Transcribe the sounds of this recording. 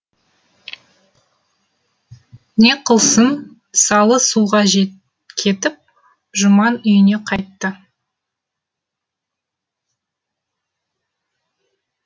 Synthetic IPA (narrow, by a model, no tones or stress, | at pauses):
ne̞qʰəlˠsən | sɑlˠəsuʁɑʒe | kʲʰe̞t̪ɪp̚ | ʒʊmɑnʏjɪne̞qʰɑjt̪ːə